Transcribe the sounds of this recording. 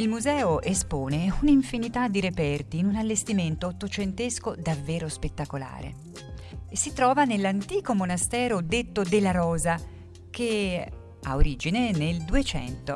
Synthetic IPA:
ilmuzɛːoʔespoːneuniɱfinit̪ad̪ːiɾepɛrt̪iːnunalːest̪iment̪oːt̪ːot͡ʃent̪eskod̪avːeːɾospet̪ːakola̰ːɾḛ | esit̪ɾɔːvanelːant̪iːkomonast̪ɛːɾod̪et̪ːod̪elaɾɔːza | k̟e | a̰oɾiːd͡ʒineneld̪uet͡ʃɛ̰nt̪o

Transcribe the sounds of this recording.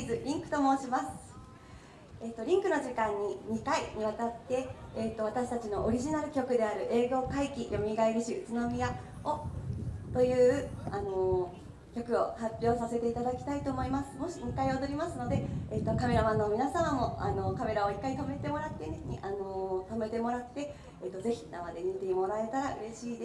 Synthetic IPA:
izɨɾʲĩŋkɯ̟t̪o̞mo̞ːɕimasɨ̥ | eːt̪ːo̞ɾʲĩŋkɯ̟no̞ʑikãɲ̟ːiɲ̟ikaiɲ̟iβat̪at̪ːe̞ːt̪ːo̞β̞at̪aɕi̥t̪at͡ɕino̞ʔoɾʲiʑinaɾɯ̟kʲo̞kɯ̟d̪e̞aɾɯ̟ʔe̞ːɡo̞ːkaikʲijo̞mʲiɡaeɾɯ̟ɕiɯ̟t͡sɨno̞mʲija | o | t̪o̞jɯ̟ːano̞ | kʲo̞kɯ̟o̞hapʲjo̞ːsase̞t̪e̞it̪ad̪akʲi̥t̪ait̪o̞ːmo̞imasɨ̥mo̞ɕiɲ̟ikaio̞d̪o̞ɾʲimasɨno̞d̪e̞eːt̪ːo̞kame̞ɾamano̞mʲinasamamo̞ano̞kame̞ɾao̞ikːait̪ome̞t̪e̞mo̞ɾat̪ːeneɲiʔano̞t̪ome̞t̪e̞mo̞ɾat̪ːe̞ | et̪ːo̞ze̞çi̥namad̪e̞ɲ̟it̪emo̞ɾae̞t̪aɾaɯ̟ɾe̞ɕiːd̪e

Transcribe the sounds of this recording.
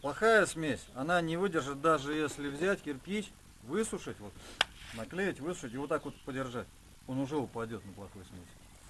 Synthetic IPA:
plˠɐxajəsmʲesʲɐnanʲɪvɨdʲɪrʐɨt̪̚d̪aʐɨjesʲlʲɪvzʲætʲkʲɪrpʲit͡ɕ | vɨsʊʂɨtʲvo̞t̪nɐklʲejɪtʲvɨsʊ̥ʂətʲɪvo̞t̪ːako̞t̪pədʲɪrʐatʲ | o̞nʊʐɛʊpɐdʲo̞t̪nəplˠɐxojsmʲesʲ

